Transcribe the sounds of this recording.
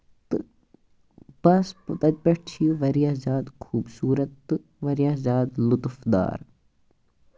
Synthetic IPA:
t̪ɨ | bɐspt̪ɐt̪̚ʲpɐʈt͡ʃʰiʋɐɾijaːzaːd̪kʰuːbsuːɾɐt̪ːɨ | ʋɐɾjaːzaːd̪lut̪fd̪a̰ːɾ

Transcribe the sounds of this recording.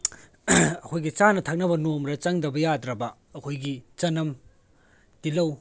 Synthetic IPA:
ɐkʰojɡit͡ʃanɐtʰɐk̚nɐbɐnomɾɐt͡ʃɐŋdɐbɐjadɾɐbɐ | ɐkʰojɡit͡ʃɐnːɐm | tilɐw

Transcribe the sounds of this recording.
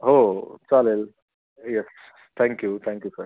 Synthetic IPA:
ɦot͡salel | jɛs | t̪ʰæ̃ŋkjut̪ʰæ̃ŋkjusəɾ

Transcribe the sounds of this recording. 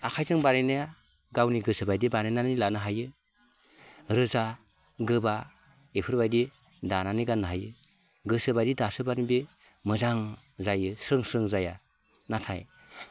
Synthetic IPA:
akʰajzɯŋbanenaja | ɡawniɡɯsɯbajdibanenanilanɯɦajɯ | ɾɯza | ɡɯba | epʰɯɾbajdi | dananiɡanːɯɦajɯ | ɡɯsɯbajdidasɯbanibe | mɯzaŋ | zajɯsɾɯŋsɾɯŋzaja | natʰa̰j

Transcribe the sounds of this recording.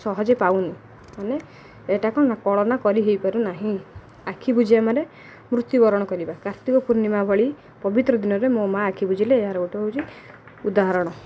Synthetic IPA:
sɔɦɔd͡ʒepaw̃ni | maneː | ʈakɔnakɔɭɔnakɔɾiɦejpɔɾunaɦĩ | akʰibud͡ʒiamaɾe | mɾut̪jubɔɾɔɽ̃ɔkɔɾibakaɾt̪ikɔpuɾnimabʱɔɭi | pɔbit̪ɾɔd̪inɔɾemõmaːkʰibud͡ʒileːɦaɾɔuʈɔbʱout͡ʃʰi | ud̪aɦaɾɔɽ̃ɔ

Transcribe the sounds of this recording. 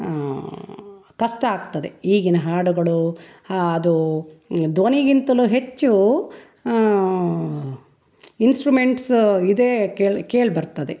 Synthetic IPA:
kɐsʈɐaːɡt̪ɐd̪ḛiːɡinɐɦaːɽuɡɐɭu | ɐd̪u | d̪ʋoniɡint̪ɐluɦet͡ʃːu | insʈɾume̞ɳʈsid̪eːkeːɭkeːɭbɐɾt̪ɐd̪e

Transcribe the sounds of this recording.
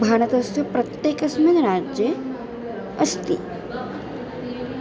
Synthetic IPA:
bʱaːɽ̃ɐt̪ɐsɐpɾɐt̪jeːkɐsmɐnɾaːd͡ʒjə | ɐst̪i

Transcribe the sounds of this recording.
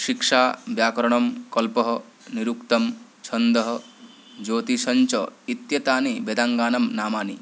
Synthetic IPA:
ʃikʂaːbjaːkɐɾɔɽ̃ɐmkɔlpɔɦɔ | niɾukt̪ɐmt͡ʃʰɐnd̪ɐɦɔ | d͡ʒoːt̪isɐɲt͡ʃɔit̪jɐt̪aːnibed̪aŋɡaːnɐmnaːmaːni

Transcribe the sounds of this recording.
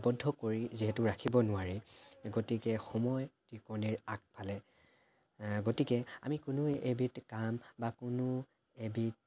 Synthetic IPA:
bɔdʱːɔkoɹiziɦɛtʊɹakʰibɔnʊaɹiɡotikɛxɔmɔjtikɔniɹak̚pʰalɛ | ɡotikɛa̰mikʊnʊebitkambakʊnʊ | ebit̚

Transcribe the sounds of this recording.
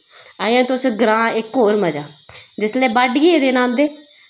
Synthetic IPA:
aːjãːt̪ʊsɡɾãːɪkːoːɾməd͡ʒaːd͡ʒɪsleːbaɖɡieːd̪eːnãːnd̪eː

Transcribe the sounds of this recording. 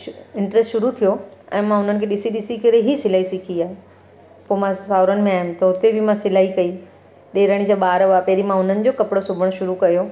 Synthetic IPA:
ɪ̃ɳʈɾesʈʃʊɾut̪ʰijoɛ̰̃ːmãʊn̤ənɪ̆kʰeɗɪsiɗɪsikɐɾeɦisɪlaːisɪkʰiaːɦe | poːmãsaːʊɾənɪ̆mẽaːɦɪnɪ̆t̪ɐʊt̪ebʱɪmãsɪlaːikɐi | ɗeːɾɐɽ̃id͡ʑaɓaːɾʋaːpɛɦɾimãʊn̤ənɪ̆d͡ʑoːkɐpɪɽosʊbʱəɽ̃ʃʊɾukɐjo

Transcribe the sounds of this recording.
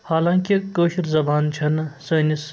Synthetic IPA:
haːlaːŋkikəːʃiɾzɐbaːnt͡ʃʰɐnsəːnis

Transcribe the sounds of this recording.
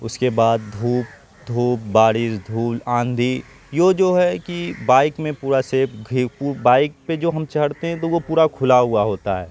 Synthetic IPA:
ʊskebaːd̪̚d̪ʱuːp̚ | d̪ʱuːp̚baːɽɪʃd̪ʱuːlãːnd̪ʱi | joːd͡ʒoːɦɛkibaːɪkmẽpuːɾaseɡʱipːbaːɪk̚ped͡ʒoːɦɐmt͡ʃɐɦɽ̤t̪eɦɛ̃t̪oʋopuːɾakʰʊlaɦʊaɦoːt̪a̰ɦɛ̰ː

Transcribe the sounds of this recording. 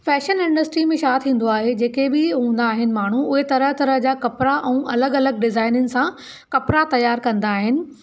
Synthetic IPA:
fɛːʃənɪ̃ɳɖəsʈɾimẽʃaːt̪ʰĩːn̆d̪oaːɦed͡ʑeːkebɪɦũːnd̪aːɦɪnɪ̆maːɳ̤uʊɦet̪ɐɾəɦt̪ɐɾəɦd͡ʑaːkɐpɾaʔɛ̃ũːʔɐləɡɐləɡ̚ɖɪzaːɪnʊnɪ̆sã | kɐpɾat̪ɐjaːɾkɐ̃nd̪aːɦɪnɪ̆

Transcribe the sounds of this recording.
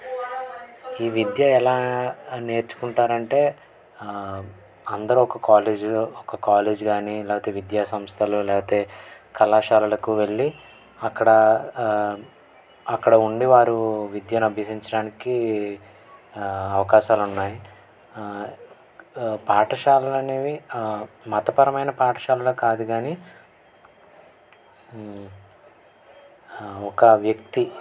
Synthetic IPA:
iːʋid̪jɐɛlaːne̞ːɾt͡ʃu̥kuɳʈaːɾɐɳʈe̞ː | ɐnd̪ɐɾuɔkɐkaːleːd͡ʒɔkɐkaːleːd͡ʒɡaːnilɛːpɐt̪e̞ːʋid̪jaːsɐmst̪ʰɐlulɛːpɐt̪e̞ː | kɐlaːʃaːlɐlɐkuʋe̞ɭːi | ɐkːɐɽɐ | ɐkːɐɽɐuɳɖiʋaːɾuʋid̪jɐnɐbʱɐsiɲt͡ʃɐɽaːniki | ɐʋɐkaːʃaːlunːaːji | paːʈʰɐʃaːlɐlɐni | mɐt̪ɐpɐɾɐmɐjnɐpaːʈʰɐ̥ʃaːlɐlɐkaːd̪uɡaːni | ɔkɐʋjɐkt̪i

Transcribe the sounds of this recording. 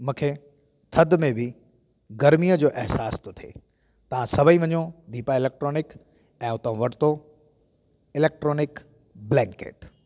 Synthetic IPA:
mũːkʰe | t̪ʰɐd̪mẽbʱɪ | ɡɐɾmijəd͡ʑoːʔɛɦsaːst̪ʰot̪ʰḛː | t̪ɐʋ̤ãsɐbʱəĩʋɐɲõd̪iːpaɪleːk̚ʈɾoːnɪk | ɛ̃ːʊt̪ə̃ʋɐɽɪt̪o | ɪleːk̚ʈɾoːnɪk | blɛ̃ːŋkḛːʈ

